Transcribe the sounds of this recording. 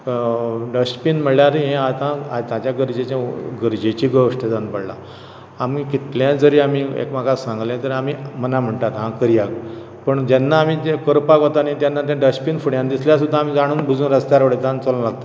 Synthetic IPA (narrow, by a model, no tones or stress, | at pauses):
ɖəɕpiːnm̤əɭljaɾɦẽat̪ãat̪at͡ɕjaɡəɾd͡ʑet͡ɕãɡəɾd͡ʑet͡ɕiːɡəʋəʂʈed͡zanpəɽla̰ | amiːkit̪ljãd͡zəɾiːamiːḛkmakasãŋɡljãt̪əɾamiːmənam̤əɳʈ̪at̪ɦãkəɾijak | pəɳd͡ʑɛnːaːmiːkəɾpakɦot̪anit̪janːat̪̬jãɖəɕpiːnfuɽjãnd̪isljas̬ud̪ʱːaːm̤iːd͡zaɽ̃uːnbud͡zuːnɾəst̪jaɾʋəɽet̪ant͡solũlaɡ̚t̪ḁ